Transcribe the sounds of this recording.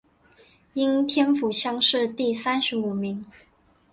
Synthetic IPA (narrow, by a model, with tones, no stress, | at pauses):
i˥nt̪ʰjɛ˥nfu˨˩ɕjɑ˥ŋʂɻ̩˥˧t̪i˥˩sa˥nʂɻ̩˨˧˥u˨˩mi˨˥˦ŋ